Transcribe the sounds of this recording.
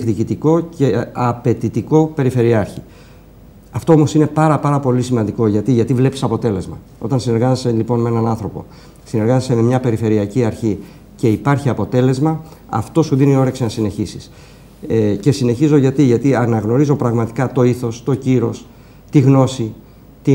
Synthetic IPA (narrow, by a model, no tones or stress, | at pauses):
kðicit̪iko̞ce̞ɐpe̞t̪it̪iko̞pe̞ɾife̞ɾiɐɾçi | ɐft̪o̞o̞mo̞sine̞pɐɾɐpɐɾɐpo̞lisimɐnd̪iko̞ʝɐt̪iʝɐt̪ivle̞pi̥sɐpo̞t̪e̞le̞zmɐ | o̞t̪ɐnsine̞ɾɣɐzeselipo̞nmeenɐnɐnθɾo̞po̞̰ | sine̞ɾɣɐzeseme̞mɲɐpe̞ɾife̞ɾiɐciɐɾçi | ce̞ipɐɾçiɐpo̞t̪e̞le̞zmɐɐ̰ft̪o̞suðinio̞ɾe̞ksinɐsine̞çisi̥s | ce̞sine̞çizo̞ʝɐt̪iʝɐt̪iɐnɐɣno̞ɾizo̞pɾɐɣmɐt̪i̥kɐt̪o̞iθo̞st̪o̞ciɾo̞s | t̪iɣno̞si | t̪i